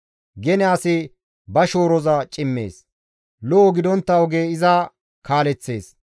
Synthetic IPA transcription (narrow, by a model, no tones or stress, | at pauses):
ɡɛnɛaːse | bɐʃoːɾɔzaːt͡ʃʼɪmːḛːs | lɔʔɔɡɪd̪ɔnt̪ːɐɔɡeːɪzaː | kaːlɛt͡sːe̞̰ːs